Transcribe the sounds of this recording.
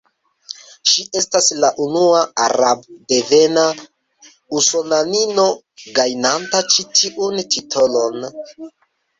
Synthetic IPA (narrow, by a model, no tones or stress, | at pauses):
ʃiʔe̞staslaʔunuaa̰ɾabde̞ve̞na | usonanino̞ | ɡajnantat͡ʃitʰiʔuntʰitʰo̞lo̞n